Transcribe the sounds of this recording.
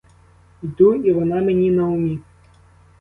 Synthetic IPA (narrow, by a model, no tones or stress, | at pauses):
id̪uiʋɔnamʲenʲinɐʊmʲi